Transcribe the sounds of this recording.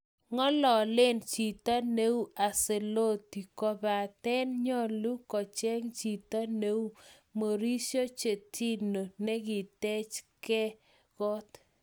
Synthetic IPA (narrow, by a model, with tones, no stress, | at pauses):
ŋɔ˦lɔ˨lɪ˦nt͡ʃi˨ta˦ne˦u˦a˨se˨lo˦ti˨kɔ˨ba˨tɛ˦nɲɔ˦lu˦kɔ˨t͡ʃɛ˦ŋt͡ʃi˨ta˦ne˦u˦ | mo˨ɾi˦ʃo˦t͡ʃe˨ti˦no˨nɛ˦ɡɪ˨tɛ˦t͡ʃkɛ˦ | ɣ̥ɔ˦t